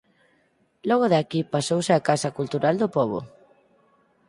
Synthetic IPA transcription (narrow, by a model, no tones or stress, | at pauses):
lɔɣ̞ʊðakipasowsɪakasɐkult̪uɾald̪ʊpɔβo̰